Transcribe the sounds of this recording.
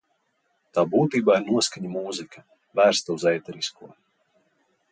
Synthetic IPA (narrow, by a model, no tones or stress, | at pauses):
t̪aːbuːt̪iːbaːiɾnuɔskaɲamuːzikʰa | væːɾst̪auzɛjt̪ɛɾiskuɔ